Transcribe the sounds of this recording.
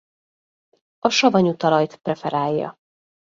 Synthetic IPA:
ɒʃɒvɒɲut̪ɒlɒjt̪prɛfɛɾaːjːɒ̰

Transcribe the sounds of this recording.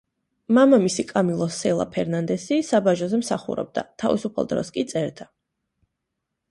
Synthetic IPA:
mamamisikʼamilˠɔsɛlˠa̰pʰɛɾnand̪ɛsisabaʒɔzɛmsaχṵɾɔ̰b̚d̪a̰t̪ʰavḭsupʰa̰lˠd̪ɾɔ̰skʼit̪sʼɛɾd̪̥a

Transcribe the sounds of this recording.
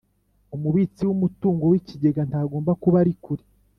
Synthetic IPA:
umuβiːt͡siwumutuːŋɡo̞wiciɟe̞ɡantaːɡoːmbakuβaɾikuɾi

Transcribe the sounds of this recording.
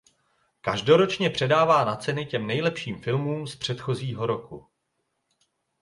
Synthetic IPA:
kaʒdo̞ɾo̞t͡ʃɲɛpr̝̥ɛdaːvaːnat͡sɛnɪcɛmnɛjlɛpʃiːmfɪlmuːmspr̝̥ɛt̪xo̞ziːɦo̞ɾo̞ku

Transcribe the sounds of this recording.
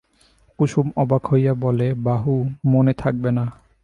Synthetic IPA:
kuʃumɔbakʰojabolebaɦumonet̪ʰak̚bena

